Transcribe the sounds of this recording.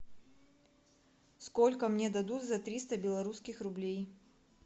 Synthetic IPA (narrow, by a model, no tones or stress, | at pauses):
skolʲkəmnʲed̪ɐd̪ut̪zɐt̪ɾʲist̪əbʲɪlˠɐɾuskʲɪxrʊblʲej